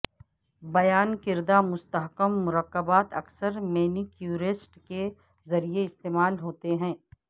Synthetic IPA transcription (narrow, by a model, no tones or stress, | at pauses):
bɐjaːnkɪɾd̪amʊst̪əɦkəmːʊɾəkːəbaːt̪ɐksəɾmeːnikjuːɾesʈke | zɐɾieɪst̪eːmaːlɦoːt̪eɦɛ̃ː